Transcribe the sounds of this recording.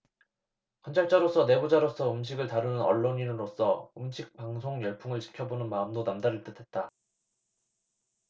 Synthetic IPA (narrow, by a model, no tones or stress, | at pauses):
kʌnt͡ɕʰaɭt͡ɕ͈aɾos͈ʰʌne̞bod͡ʑaɾos͈ʰʌɯmɕ̬ʰiɡɯɭtaɾɯnɯnʌ̰ɭːoɲinɯɾos͈ʌɯmɕʰik̚paŋsʰoŋjʌɭpʰuŋɯɭt͡ɕi̥kʰjʌbonɯnmaɯmdonamdaɾiɭt͈ɯtʰe̞t̚t͈a